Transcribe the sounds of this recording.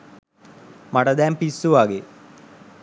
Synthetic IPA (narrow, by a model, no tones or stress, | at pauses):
mɐɽɐd̪æːmpisːuʋaːɡe